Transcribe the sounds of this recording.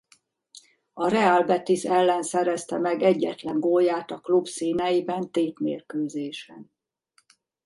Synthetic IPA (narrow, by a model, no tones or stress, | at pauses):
ɒɾɛaːlbɛt̪isɛlːɛnsɛɾɛst̪ɛmɛɡɛɟːɛt̪lɛŋɡoːjaːt̪ɒklubsiːnɛjibɛnt̪eːt̪mḛːrkøːzeːʃɛn